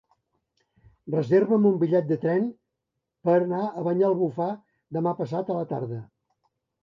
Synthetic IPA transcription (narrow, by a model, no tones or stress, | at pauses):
rəzeɾβəmumbiʎɛt̪̚d̪ət̪ɾɛn | pəɾnaəβəɲalˠβufa | d̪əmapəsat̪ələt̪a̰ɾðə